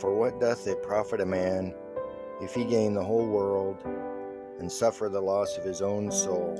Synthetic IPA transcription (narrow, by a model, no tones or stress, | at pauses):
fə˞wʌt̚d̥ʌθðeɪpʰɹ̥ɑfɨɾɨmæ̃n | ɨfhiɡẽɪ̃nðəɦoʊlˠwɜ˞lˠd | ɨ̃nsʌfə˞ðəlɔsʌv̥ɨzõʊ̃nsoʊlˠ